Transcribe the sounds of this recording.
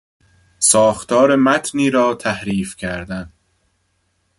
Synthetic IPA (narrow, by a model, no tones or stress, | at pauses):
sɒːxt̪ʰɒːɾemæt̪ʰniːɾɒːt̪ʰæhɾiːfcʰæɾd̪æn